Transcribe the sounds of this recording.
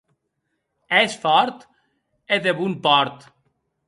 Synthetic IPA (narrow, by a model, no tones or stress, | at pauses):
ɛsfɔɾt̪ | eðeβumpɔɾt̪